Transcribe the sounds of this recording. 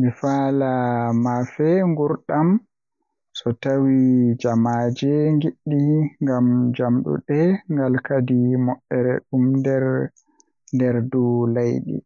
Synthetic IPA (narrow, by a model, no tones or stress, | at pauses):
mifaːlamafɛŋɡuɾɗam | sɔtawid͡ʒamad͡ʒɛŋɡiɗːiŋɡamd͡ʒamɗṵɗɛŋɡalkadimɔʔːɛɾɛ̰ɗumndɛɾ | ndɛɾdulajɗḭ